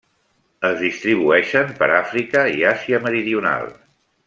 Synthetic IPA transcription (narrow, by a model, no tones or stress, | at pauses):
əzðist̪ɾiβ̞uɛʃəmpə̰ɾafɾikəḭaziəməɾiðiuna̰lˠ